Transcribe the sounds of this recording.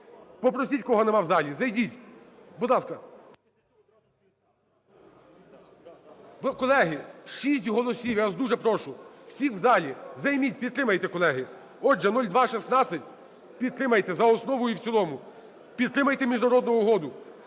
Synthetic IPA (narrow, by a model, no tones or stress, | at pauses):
pɔpɾɔsʲitʲkɔɦɔnɛmɑwzɑlʲizɐjdʲitʲbʊd̪lˠɑskɐ | kɔlˠɛɦɪʃisʲtʲɦɔlˠɔsʲiwjazd̪uʒɛpɾɔʃʊwsʲixwzɑlʲizɐjmʲit̚ʲpʲid̪t̪ɾɪmɐjt̪ɛkɔlˠɛɦɪ | ɔʒɛnɔlʲd̪ʋɑʃisnɑt͡sʲːɐtʲ | pʲid̪t̪ɾɪmɐjt̪ɛzɐɔsnɔʋɔjʊiwt͡sʲsʲilˠɔmʊ | pʲid̪̚t̪ɾɪmɐjt̪ɛmʲiʒnɐɾɔd̪nʊʊɦɔd̪ʊ